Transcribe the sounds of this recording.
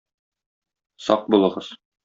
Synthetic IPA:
sɒ̰q̚bulˠɤ̆ʁɤz̥

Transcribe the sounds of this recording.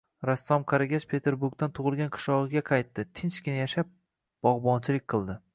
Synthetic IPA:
ɾasːɒmqʰaɾaɡʲat͡ʃpʰe̞t̪ʰe̞ɾbuɾk̚t̪ant̪ʰʊʁɨlˠɡʲanqʰɨ̥ʃlɒʁɨɡʲaqʰɑjt̪ːɪt̪ʰɪnt͡ʃkʲɪnajaʃap̚ | b̥ɒʁbɒnt͡ʃʰɪlɪk̚ʲqʰɨlˠd̪ɪ

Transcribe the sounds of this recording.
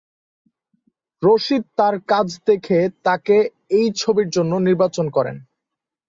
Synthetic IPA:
ɾoʃid̪̚t̪aɾkad͡ʑʰd̪ekʰet̪ake | ejt͡ɕʰobiɾd͡ʑonːoniɾbat͡ɕonkɔɾḛn

